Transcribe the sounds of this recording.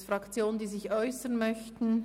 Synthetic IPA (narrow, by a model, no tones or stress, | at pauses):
fʁɑkt͡sjoːnəndiːzɪçʔɔʏsənmœçtn̩